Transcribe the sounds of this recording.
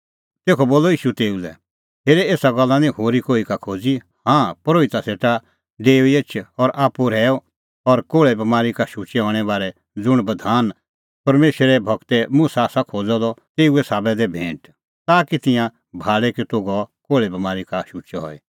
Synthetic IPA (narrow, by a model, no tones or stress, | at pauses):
t̪eːkʰɔboːlɔiːʃut̪eːulɛ | t̪ʰeːɾɛeːsaɡɐlːãnĩɦoːɾikoːikakʰoːd͡zi | hãpɾoːit̪aseːʈa | ɖeːoiet͡ʃʰɔɾʔaːpuɾɛːɔ | ɔɾkoːɭɛbɐmaːɾikaʃuːt͡ʃɛɦɔːɽ̃ɛbaːɾɛ | d͡zʊɽ̃bɐd̪ʱaːn | pɐɾmeːʃɾɛbʱɐɡt̪ɛmũːsaːsakʰoːd͡zɔd̪ɔt̪eːuɛsaːbɛd̪ɛbʱḛ̃ːʈ | t̪aːkit̪ɪ̃jã | bʱaːɽɛkit̪oɡɔkoːɭɛbɐmaːɾikaʃuːt͡ʃɛɦɔ̰ḛ